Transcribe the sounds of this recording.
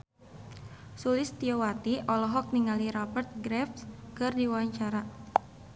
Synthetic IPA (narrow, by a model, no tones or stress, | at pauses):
sulɪst̪iɔwat̪iʔɔlɔɦɔk̚niŋaliɾɔbərt̪̚ɡɾɛfskɨrdiwaɲt͡ʃaɾa